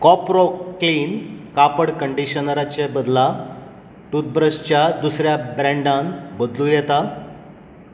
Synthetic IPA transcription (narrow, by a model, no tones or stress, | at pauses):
kɔpɾɔkliːnkapəɽkəɳɖiɕənəɾat͡ɕebəd̪la | ʈut̪̚bɾəɕt͡ɕjad̪usɾjabɾɛ̃ɳɖãnbəd̪luːjɛt̪a